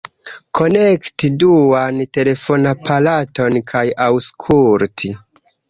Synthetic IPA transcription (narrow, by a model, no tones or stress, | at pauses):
kʰo̞nektiduante̞le̞fo̞napʰalato̞nkʰajawskʰuɾti